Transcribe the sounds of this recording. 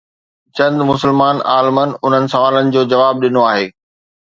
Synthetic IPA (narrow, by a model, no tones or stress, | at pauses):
t͡ɕɐ̃nd̪mʊsɪlmaːna̰ːlmənʊn̤ənɪ̆sɐʋaːlənɪ̆d͡ʑoːd͡ʑɐʋaːb̚ɗɪnoaːɦeː